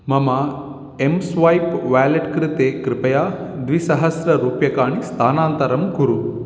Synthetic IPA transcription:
mɐma | emsʋajpʋaːlɐʈkɾɪt̪eːkɾɪpɐjaːd̪ʋisɐɦɐsɾɐɾuːpjɐkaːɳist̪ʰaːnaːnt̪ɐɾɐmɡuɾu

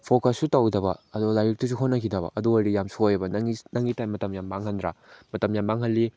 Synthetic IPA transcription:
pʰokɐsːutawdɐbɐɐdolajɾik̚tus̬uɦotnɐkʰidɐbɐ̰ʔɐduɐɾijamsojɐbɐnŋinɐŋɡitajmɐtɐmjambaŋhɐndɾa̰mɐtɐmjambaŋɦɐlːi

